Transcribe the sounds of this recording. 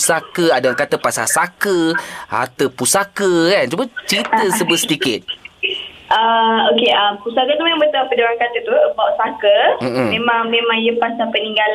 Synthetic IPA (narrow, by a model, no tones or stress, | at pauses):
sakəadaakat̪əpasa̰sakəa̰t̪əpusakəkant͡ʃumat͡ʃɾit̪əsəbəsət̪ikɪt̪̚ | ʔəokeəmpusakət̪umẽmãmbət̪apədaɾaŋkat̪ət̪uəbawʔsakəm̩m̩mẽmãŋmemãŋjəpasapəniŋɡal